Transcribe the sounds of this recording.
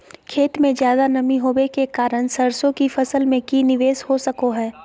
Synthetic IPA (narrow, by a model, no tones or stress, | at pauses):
kʰeːt̪mẽd͡ʒjaːd̪anɐmiɦoːbekekaːɾəñsɐɾsõkifɐsəlmẽkinɪʋeːshosɐkoɦɛː